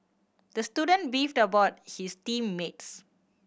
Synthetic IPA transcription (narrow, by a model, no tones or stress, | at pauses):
d̥əstjudə̃nbiftəbaʊt̚histĩmːets